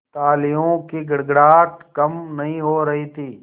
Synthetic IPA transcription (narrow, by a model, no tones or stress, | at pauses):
t̪aːlɪjõkiɡɐɽɡɽaːt̪kɐmnɐɦĩɦoːɾɐɦit̪ʰiː